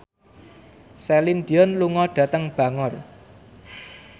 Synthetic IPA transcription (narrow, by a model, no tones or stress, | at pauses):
selind̪i̤ɔnluŋɔɖ̥ä̤t̪əŋb̥ä̤ŋɔr